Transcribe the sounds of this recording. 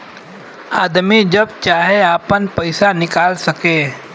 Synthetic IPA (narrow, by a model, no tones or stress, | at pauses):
aːd̪mid͡ʒɐbt͡ʃaːɦeaːpənpəɪsanɪkaːlsɐkeː